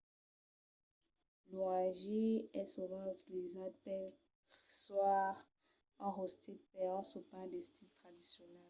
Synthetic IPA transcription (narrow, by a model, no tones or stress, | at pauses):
loaʒiɛsuvãvizad̪̚pɛ | swaʁ | ɑ̃ʁost̪it̪̚pɛsupãd̪ɛst̪int̪χad̪isjɔnɛl